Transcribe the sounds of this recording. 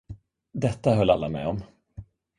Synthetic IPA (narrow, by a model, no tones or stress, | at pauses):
d̪ɛt̪ːaɦœlːalːamɛ̰ːɔm